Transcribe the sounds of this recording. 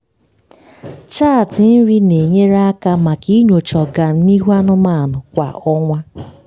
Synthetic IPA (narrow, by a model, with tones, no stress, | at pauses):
t͡ʃaː˦˨tɪ˨n̩˦ɾi˦ne˨ɲe˦ɾa˦a˦ka˦ma˨ki˦ɲo˨t͡ʃɔ˨ɡa˨n̩˦ni˦ɦu˦a˦nʊ˦ma˦˨nʊ˨kʷa̰˨ɔ˦ŋʷa˦